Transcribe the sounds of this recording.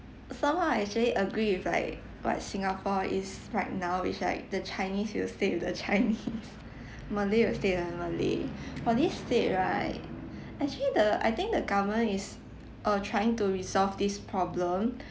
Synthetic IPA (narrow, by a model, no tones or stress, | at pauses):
sãmhaʊɛk̚t͡ʃəliʔəɡɹifla̰ɪk | wɔ̰t̚sĩŋapʰɔḭsɹaɪt̚naʊḭt͡ʃla̰ɪk̚dət͡ʃaɪniswilstẽndət͡ʃaɪnis | məliwilstẽdəməlḭfɔdistet̚ɹaɪt̚ | ʔɛk̚t͡ʃəlidəʔa̰jt̪ɪ̃ŋk̚dəɡavəmə̃nis | ʔʌtʰɹajɪ̃ŋtuɹisɔlfdispʰɹɔblə̃m